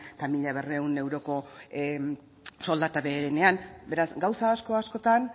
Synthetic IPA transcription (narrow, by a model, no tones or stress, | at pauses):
famiʎaβereune̞wɾo̞ko̞ | so̞ld̪at̪aβe̞ːɾene̞anbe̞ɾasɡawsaːsko̞asko̞t̪an